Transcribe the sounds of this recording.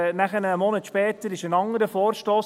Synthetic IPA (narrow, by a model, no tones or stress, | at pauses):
næχənəmɔnətʃpɛːt̪əɾɪʃənɑŋəɾəfɔːɾʃtoːs